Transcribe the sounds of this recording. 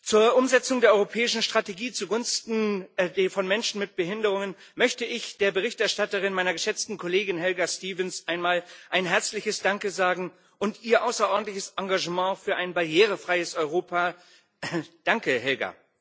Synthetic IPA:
t͡suːɐʔʊmzɛt͡sʊŋdeːɐʔɔʏʁopʰɛːɪʃn̩ʃtʁ̥ateɡiːt͡suɡʊnstn̩dfɔnmɛnʃn̩mɪt̚b̥əɦɪndəʁ̞ʊŋən | mœçtəɪçd̥eːɐbəʁ̞ɪçtɛɐʃtatəʁɪnmaɪnɐɡəʃɛt͡stn̩kʰɔleːɡɪnɦɛlɡastiːvənsʔaɪnmaːlʔaɪnɦɛɐt͡slɪçəsd̥aŋkəzaːɡŋ̩ | ʔʊntʔiːɐʔaʊsɐʔɔɐdn̩tlɪçəsʔaŋɡaʒəmɑ̃ːfyːɐʔaɪnbaɐjeːʁəfʁ̥aɪəsɔʏʁoːpʰa | d̥aŋkəhɛlɡa̰

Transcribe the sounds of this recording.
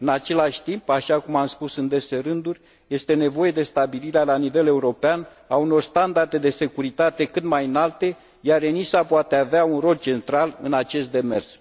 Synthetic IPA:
ɨnat͡ʃe̞laʃʲt̪impaʃakumamspusɨnd̪e̞se̞ɾɨnd̪urʲ | je̞st̪e̞ne̞vo̞je̞d̪e̞st̪abiliɾealanive̞le̞uɾo̞pean | auno̞rst̪and̪ard̪e̞d̪e̞se̞kuɾit̪at̪e̞kɨt̪majɨnalt̪e̞ | jaɾenisapoat̪eaveaunro̞lt͡ʃe̞nt̪ɾalɨnat͡ʃe̞st̪̚d̪e̞me̞rs

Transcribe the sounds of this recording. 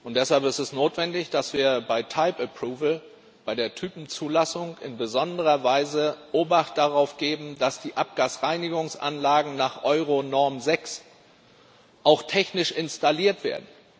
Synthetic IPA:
ʔʊnt̚d̥ɛshalpɪstɛsnoːtv̥ɛndɪçd̥asv̥iːɐbaɪtʰaɪpəpʁ̥uːvl̩ | b̥aɪɾeːɐtʰyːpm̩t͡suːlasʊŋɪ̰nbəzɔndəʁɐvaɪzəʔoːbaχt̚d̥aʁaʊfɡ̥eːbm̩dasd̥iːʔap̚ɡ̥aːsʁaɪnɪɡʊŋsʔa̰nlaːɡŋ̩naːχʔɔʏʁonɔɐmzɛks | ʔaʊxtʰɛçnɪʃʔɪnstaliːɐtv̥ḛːɐdn̩

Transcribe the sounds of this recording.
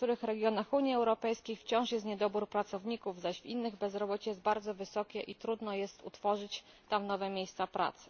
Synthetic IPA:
t̪uɾɘxɾɛɡʲjɔnaxuɲiɛwɾɔpɛjskʲejft͡ɕɔ̃w̃ʂjɛst̪ɲɛd̪ɔbuɾpɾat̪sɔvɲikuvzaɕvinːɘɣbɛzɾɔbɔt͡ɕɛjɛzt̪̚baɾd̪zɔvɘsɔkʲɛʔit̪ɾud̪nɔjɛst̪ṵt̪fɔʐɘt͡ɕ | t̪amnɔvɛmʲjejst̪sapɾa̰t̪sɘ̥

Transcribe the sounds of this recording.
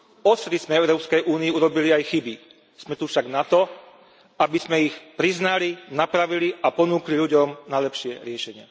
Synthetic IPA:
ɔst̪ɾizmɛɛʊɾɔːpskɛjʔuːniiuɾɔbiliajxibi | z̥mɛt̪ufʃaɡnat̪ɔ | abizmɛixpɾiznalinapɾaʋiliʔapɔnuːkliʎuɟɔmnalɛpʃɪɛɾɪɛʃɛɲɪɛ̰

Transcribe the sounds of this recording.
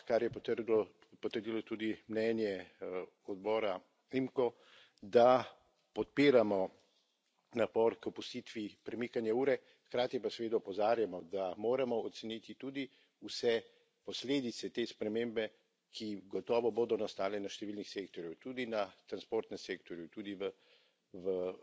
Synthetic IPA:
kaɾjɛt̪ɾd̪ɔ | pɔt̪əɾd̪ilɔt̪ud̪imnɛnjɛ | ɔd̪bɔːɾa | imkɔ | d̪a | pɔt̪̚piːɾamɔ | napɔːɾkɔpust̪iːt̪ʋipɾɛmikanjauːɾɛ | xkɾaːt̪ipasɛʋeːd̪aɔpɔzaːɾjamɔd̪amoːɾamɔɔt̪sɛnit̪it̪uːd̪i | usɛ | pɔsleːd̪it̪sɛt̪eːspɾɛmẽmbɛ | kʰiɡɔt̪ɔːʋɔboːd̪ɔnast̪aːlɛnaʃt̪ɛʋiːlnixseːkt̪ɔɾjut̪uːd̪inat̪ɾanspoːɾt̪nɛmseːk̚t̪ɔɾjut̪uːd̪iʋə | ʋə

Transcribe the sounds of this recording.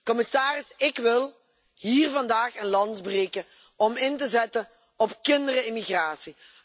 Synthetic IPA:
kɔmɪsaːrɪsɪkʋɪlˠ | ɦiːrvɑndaːχənlɑntbreːkə | ɔmɪntəzɛtə | ɔpkɪndərəɪmiɣraːsi

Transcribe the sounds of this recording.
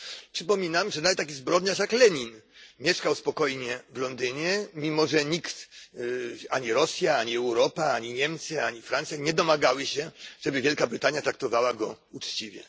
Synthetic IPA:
pʂɘpɔmʲinamʐɛnavɛt̪ːak̬ʲizbɾɔd̪ɲaʂjaklɛɲinmʲjɛʂkawspɔkɔjɲɛvlɔnd̪ɘɲɛmʲimɔʐɛɲikt̪ | aɲiɾɔsʲjaaɲiɛwɾɔpaaɲiɲɛmt̪sɘaɲifɾant̪sʲjaɲɛd̪ɔmaɡawɘɕɛʐɛbɘvʲjɛlkabɾɘt̪aɲjat̪ɾak̚t̪ɔvawaɡɔ | ut͡ʂt͡ɕivʲjɛ

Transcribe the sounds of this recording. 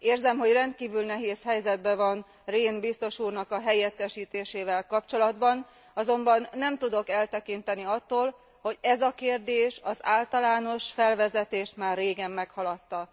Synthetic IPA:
eːrzɛmɦo̞ɟrɛnt̪̚kiːvylnɛɦeːshɛjzɛd̪̚bɛvɒn | reːnbist̪o̞ʃuːrnɒkɒɦɛjɛt̪ːɛʃiːt̪eːʃeːvɛlkɒpt͡ʃo̞lɒd̪bɒn | ɒzo̞mbɒnːɛmt̪ud̪o̞kɛlt̪ɛkint̪ɛniɒt̪ːoːl | ho̞ɟɛzɒkeːrd̪eːʃɒza̰ːlt̪ɒlaːno̞ʃfɛlvɛzɛt̪eːʃt̪maːrːeːɡɛmːɛkhɒlɒt̪ːɒ

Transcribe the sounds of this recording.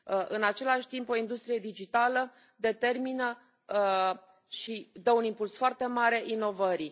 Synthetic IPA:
əʔɨnat͡ʃe̞laʃʲt̪impo̞ind̪ust̪ɾije̞d̪id͡ʒit̪alə | d̪e̞t̪e̞rminə | ʃid̪əunimpulsfoart̪e̞maɾe̞ʔino̞vəɾi

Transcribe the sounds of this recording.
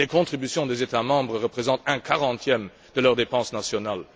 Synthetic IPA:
lekɔ̃t̪χibysjɔ̃d̪ezet̪amɑ̃bʁəʁəpχezɑ̃t̪ɛ̃kʰaʁɑ̃t̪ʰjɛm | d̪̥əlœʁd̪epɑ̃snasjɔnal

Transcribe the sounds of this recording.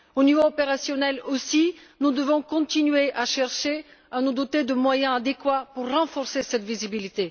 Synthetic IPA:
onivoɔpeʁasjɔnɛlosinud̪əvɔ̃kɔ̃t̪inɥeʔaʃɛʁʃeanud̪ɔt̪ed̪əmwajɛ̃ad̪ekwapuʁːɑ̃fɔʁsesɛt̪vizibilit̪e

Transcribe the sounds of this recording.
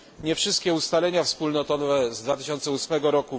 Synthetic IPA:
ɲɛfʂɘst̪kʲɛust̪alɛɲafspulnɔt̪ɔvɛzd̪vat̪ɘɕɔnt̪sɛusmɛɡɔɾɔku

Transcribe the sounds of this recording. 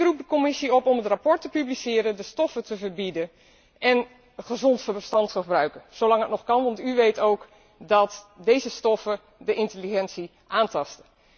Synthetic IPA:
ɪkrup̚dəkɔmɪsiɔpɔmətrapɔɹtəpyblisɪːɾəndəstɔfətəvərbidə | ʔɛn | χəzɔntfəstɑntχəbrœɥkənz̥owlɑŋətnɔχkɑnʋɑntyʋejtowk | dɑtdejzəstɔfə | dəɪntəliχɛnsi | ʔaːntɑstə

